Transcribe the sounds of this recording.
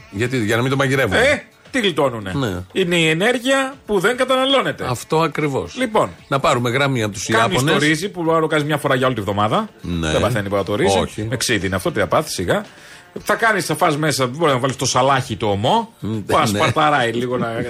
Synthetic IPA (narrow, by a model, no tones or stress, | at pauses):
ʝɐt̪iʝɐnɐmind̪omɐʝiɾevue | t̪iɣlit̪o̞nune̞neine̞iene̞ɾʝiɐpuðe̞ŋɡɐt̪ɐnɐlo̞ne̞t̪eɐft̪o̞ɐkɾivo̞̰slipo̞nnɐpɐɾumeɣɾɐmiɐpot̪u̥sikanisst̪oɾizipuɐɾokɐnizmɲɐfo̞ɾɐʝɐo̞lit̪evðo̞mɐðɐn̰ebɐθenipoɾɐt̪oɾizziimeksiðiineɐft̪o̞t̪iðɐpɐθi̥siɣɐ | θɐkɐnisɐfɐzme̞sɐboiznɐvɐlist̪o̞sɐlɐçit̪oːmo̞puɐspɐt̪ɐɾɐiliɣo̞nɐ